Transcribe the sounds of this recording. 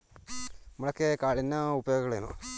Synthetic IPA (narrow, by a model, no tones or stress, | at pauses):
ɐmɐɭɐkːekaːɭinːɐubɐjo̞ːɡɐɣɐɭenːo̰